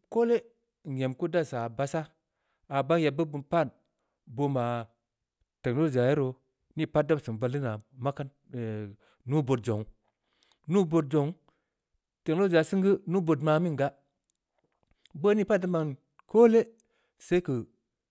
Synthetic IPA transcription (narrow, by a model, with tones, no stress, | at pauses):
ko˦le˦˨ | e˨mku˦da˦sa˨ba˧sa˦ | a˨ba˦ŋja˨bə˦bu˨npa˦˨n | bo˧ma˨ | te˨klo˦˨d͡ʒa˨ji˦ɾo˨ | ni˦pa˦t̚da˦bsɨ˨ba˧lːi˦na˨ma˦ka˦n˨ | nu˦bo˨t̚d͡ʒo˨ŋ | nu˦bo˧t̚d͡ʒo˨ŋ | te˨lo˦˨d͡ʒa˨˦sɨ˦ŋɡə˦nu˦bo˨tma˧mi˦ŋɡa˦ | bə˦ni˦pa˦da˦ma˨n | koː˦le˦ | se˦i˦kə˨